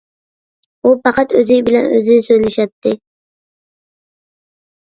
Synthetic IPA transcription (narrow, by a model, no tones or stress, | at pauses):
upɑqɑt̪ɵzɪŋʲbɪlanø̰zɪnɪsøjlɪʃap̚t̪ʰːɪ